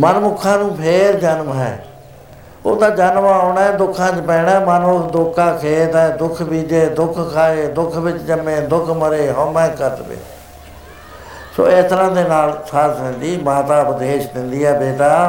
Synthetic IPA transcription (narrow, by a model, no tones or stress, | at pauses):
mənmʊkʰːãːnũːpʰeːɾd͡ʒənmɦɛ̰̃ː | o̰ːt̪ãːd͡ʒənmaːoːɳaːd̪ʊkʰːãːt͡ʃpɛːɳɛ̃ːmənʊkd̪ʊkʰːãːkʰeːt̪ɛːd̪ʊkʰbiːd͡ʒeːd̪ʊkʰkʰaːeːd̪ʊkʰʋɪt͡ʃd͡ʒəmẽːd̪ʊkʰməɾeːɦoːmɛ̃ːkəɾt̪ʋḛː | so̰ːest̪əɾãːd̪eːnaːlsʰəɾt̪ɪ̃nd̪iːmãːt̪aːbd̪eːʃd̪ɪ̃nd̪iːɦɛːbeːʈaː